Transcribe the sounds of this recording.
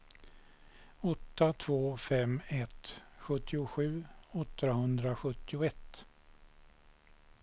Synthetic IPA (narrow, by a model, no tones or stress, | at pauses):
ɔt̪ːat̪ʰvoːfɛmɛt̪ɧɵt̪ːɪʊɧʉ̟ːɔt̪ːɾahɵnd̪ɾaɧɵt̪ːɪʊɛt̪ː